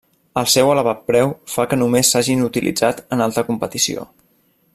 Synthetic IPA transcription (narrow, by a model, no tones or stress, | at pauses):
əlˠsɛwələβat̪̚pɾɛwfakənumesːaʒinut̪ilʔḭd͡zat̪ənalˠt̪əkumpət̪isio̰